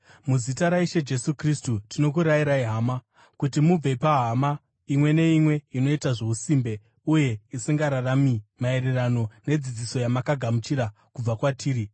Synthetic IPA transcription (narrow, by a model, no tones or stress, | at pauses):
muzitaɾaiʃe̞d͡ʒe̞sukristutino̞kuɾaiɾaiɦama | kutimub͡ve̞paɦama | imwe̞ne̞imwe̞ino̞itaʐe̞usimbe̞ | uje̞isiŋɡaɾaramimae̞ɾerano̞ne̞d͡zid͡ziso̞jamakaɡʱamut͡ʃiɾa | kub͡vakwatʰiːɾi